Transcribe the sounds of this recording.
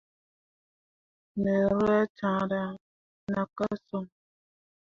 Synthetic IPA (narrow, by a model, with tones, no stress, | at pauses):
ne˨ɾa˦t͡ʃã˨˦˨da˦ | na˨ka˦so˦˨ŋ